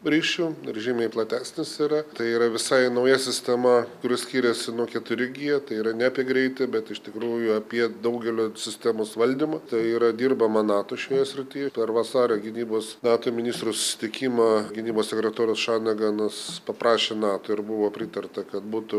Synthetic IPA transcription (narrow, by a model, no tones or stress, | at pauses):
ɾʲiːʃʲuːɾʲɛʒʲiːmɐɪplˠɐt̪ʲæːsʲnʲɪsiːɾɐt̪ɐɪiːɾɐʋʲɪsɐɪnɐʊjɛsʲɪsʲt̪ʲɛmɐkʊɾʲɪsʲkʲiːɾʲɛsʲɪnuɔkʲɛt̪ʊɾʲɪɡʲiːɛt̪ɐɪiːɾɐnʲɛɐpʲiɛɡɾʲɛɪt̪ʲɪbʲɛt̪ɪʃt̪ʲɪkɾuːjʊɐpʲiɛd̪ɐʊɡʲɛlʲoːsʲɪsʲt̪ʲæmoːsʋɐlʲd̪ʲimɐt̪ɐɪiːɾɐd̪ʲiːrbɐmɐnɑːt̪oːʃʲoːjɛsʲɾʲɪt̪ʲɪjɛpʲɛrʋɐsɑːɾʲoɡʲɪnʲiːboːsnɑːt̪omʲɪnʲiːst̪ɾʊsʊ̥sʲɪ̥t̪ʲɪkʲiːmɐɡʲɪnʲiːboːsʲsʲɛkʲɾʲɛt̪oːɾʲosʃɑːnʲɐɡɑnɐspɐprɑːʃʲeːnɑːt̪oːɪrbʊʋoːpʲɾʲɪt̪ɐrt̪ɐkɐt̪buːt̪ʊ